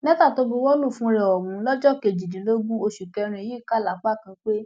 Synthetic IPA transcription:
nɛ̃˦ta˦˨to˧˦bo˧˦wɔ˦lũ˦˨fũ˧˦˧ɾɛ˨ɔ˨mũ˨˦lɔ˦d͡ʒɔ˦˨ke˨d͡ʒi˨dĩ˨˦lo˦ɡũ˦o˧ʃu˨kɛ˧ɾ̃ũ˧i˨ji˦ka˦˨la˨˦k͡pa˦˨kã˧k͡pe˦

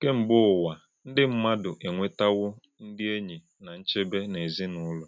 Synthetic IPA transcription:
ke˦m̩˨bʊ˦ʊ˨wa˨ | n̩˦dɪ˦m̩˦ma˦dʊ˨ʔe˨ŋʷe˦ta˦ɣʊ˦ | n̩˦dɪ˦e˦ɲi˨ | na˨n̩˦t͡ʃe˦be˦ne˨zi˦nʊ˦lɔ˨

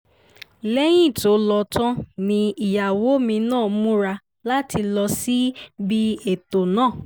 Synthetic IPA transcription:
lɛ˦j̃ĩ˦˨to˨˦lɔ˧tã˦nĩ˧i˨ja˨wo˨˦mĩ˧nãː˦˨˦mũ˦ɾa˧ | la˦ti˧lɔ˧si˦bi˦e˨to˨nãː˦˨

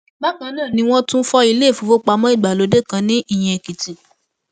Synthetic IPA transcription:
ba˦kã˧˦nãː˦˨nĩ˧˦w̃ɔ̃˦tũ˦fɔ˧i˧le˦˨fo˨˧fo˦k͡pa˧mɔ̃˦i˦˨ɡ͡ba˨lo˨˧˦de˦˨kã˧˦nĩ˦i˦˨j̃ɛ̃˧˨ki˨ti˨

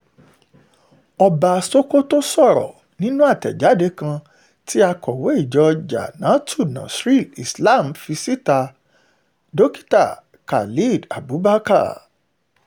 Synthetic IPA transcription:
ɔ˧ba˧so˦ko˦to˦sɔ˦˨ɾɔ̰˨ | nĩ˦nũ˦a˦˨tɛ̰˨d͡ʒa˨˦de˧kã˧ | ti˦a˧kɔ˨we˨˦i˦˨d͡ʒɔ˧d͡ʒa̰˨nã˨˦tʰu˦˨nã̰˨sɾi˦˨li˨sla˦˨m˨fi˧si˦ta˧ | do˦ki̥˦ta̰˦˨ | ka̰˨li˦˨da˨bu˨˦ba˦ka̰˦˨

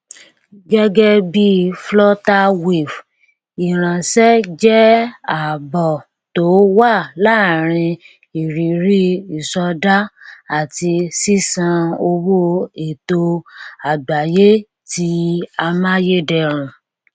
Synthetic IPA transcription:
ɡɛ˦ɡɛ˦bi˦flɔ˦ta˦we˨f | i˨ɾ̃ã˨ʃɛ˦d͡ʒɛ˦a˨bɔ˨ | to˨˦wa˦˨la˦˨ɾ̃ĩ˧ | i˨ɾi˨ɾi˦i˨sɔ˧da˦a˦˨ti˧si˦sã˧o˧wo˦e˨to˧a˨ba˨je˦ | ti˧a˧mã˦je˦dɛ˦˨ɾ̃ũ˨

